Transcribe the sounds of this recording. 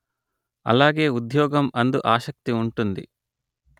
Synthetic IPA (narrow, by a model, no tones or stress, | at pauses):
ɐ̰laːɡe̞ːud̪jɔːɡɐmɐnd̪uʔaːʃɐk̚t̪iuɳʈund̪ḭ